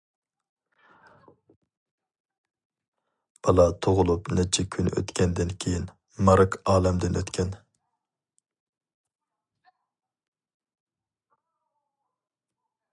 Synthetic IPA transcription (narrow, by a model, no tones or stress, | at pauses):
b̥ɑlˠɑt̪ʰoʁʊlˠupnɛt͡ʃʰːɛkʲʰynʔø̰t̪kʲɛnd̪ɪnkʲʰejin | mɑɾɨkɑːlɛmd̪ɪnøt̪kʲʰɛn